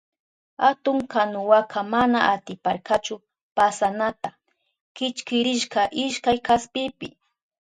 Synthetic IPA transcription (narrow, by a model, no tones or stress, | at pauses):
at̪ʊŋkanʊwakʰamana̰ʔat̪ɪpaɾkat͡ʃʊ | pasanat̪a | kɪt͡ʃkɪɾɪʃkaʔɪʃkajkaspɪpɪ̰